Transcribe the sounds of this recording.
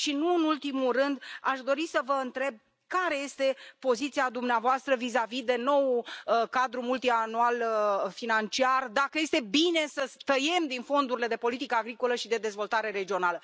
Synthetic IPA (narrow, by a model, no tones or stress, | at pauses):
ʃinuɨnult̪imurɨnd̪aʃd̪o̞ɾisəvəɨnt̪ɾe̞b̚ | kaɾe̞je̞st̪e̞po̞zit̪siad̪umneavoast̪ɾəvizavid̪e̞no̞wkad̪ɾumult̪ianualfinant͡ʃiard̪akəje̞st̪e̞bine̞səst̪əje̞md̪info̞nd̪uɾile̞d̪e̞po̞lit̪ikəaɡɾiko̞ləʃid̪e̞d̪e̞zvo̞lt̪aɾe̞ɾe̞d͡ʒio̞nalə